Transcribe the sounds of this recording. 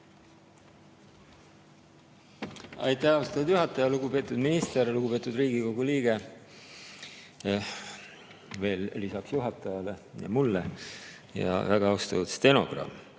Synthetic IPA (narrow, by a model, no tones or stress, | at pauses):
ɑ̰jt̪ːˑæhɑwst̪ɑd̪̥juɦɑt̪ːˑɑjɑluɡ̥upe̞ːt̪ːˑud̪minist̪eɾluɡ̥upe̞ːt̪ːˑud̪riːɡ̥iko̞ɡ̥uliːɡ̥e̞ | ve̞ːllːisɑksjuɦɑt̪ːˑɑjɑle̞jɑ̰mulːe | jɑ̰væɡ̥ɑɑwst̪ɑvɑt̪st̪e̞no̞ɡ̥rɑ̰m